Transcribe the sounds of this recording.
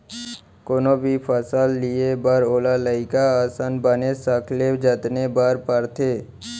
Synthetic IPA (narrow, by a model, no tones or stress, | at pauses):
koːnobʱipʰəsalːiebaɾoːlaləɪkaaːsaːnbənesəkʰleːd͡ʒət̪nebaːɾpəɾt̪ʰeː